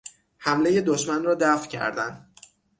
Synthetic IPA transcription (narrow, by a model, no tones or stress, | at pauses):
hæmle̞je̞d̪oʃmænrɒːd̪æfcʰæ̰ɾd̪æn